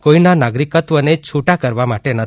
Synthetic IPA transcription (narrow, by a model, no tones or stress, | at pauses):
koinanaɡɾikət̪ʋənet͡ʃʰuʈakəɾʋamaʈenə